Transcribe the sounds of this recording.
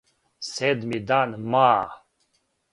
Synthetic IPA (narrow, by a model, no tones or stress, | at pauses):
sed̪mid̪anma